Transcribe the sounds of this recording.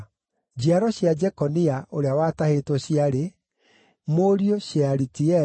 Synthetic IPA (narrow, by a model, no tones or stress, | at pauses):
d͡ʑiaɾɔɕjad͡ʒɛkɔniaʔoɾeawatahetɔɕiaɾe | moɾioɕaɾitiɛ